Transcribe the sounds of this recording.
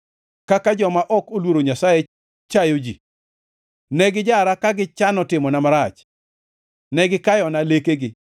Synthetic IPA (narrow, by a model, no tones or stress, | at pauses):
kakad͡ʒɔmaʔɔkolwoɾoɲasaje | t͡ʃajod͡ʒḭ | nɛɡɪd͡ʒaɾakaɡɪt͡ʃanɔtɪmɔnamaɾat͡ʃ | nɛɡɪkajɔnalekeɡɪ